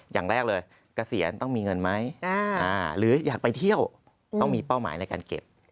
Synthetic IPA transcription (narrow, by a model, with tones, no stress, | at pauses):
ja̰ː˨˩ŋɾɛː˥˩k̚lɤː˧j | ka˧si˩˦ənt̪ɔ˥˩ŋmiː˧ŋɤ˧nma˦˥ja˧ʔaː˧˩ɾɯː˩˦jaː˨˩k̚pa˧jt̪ʰi˥˩əw | t̪ɔ˥˩ŋmiː˧pa˥˩wma̰ː˩˦jna˧jkaː˧nkḛ˨˩p̚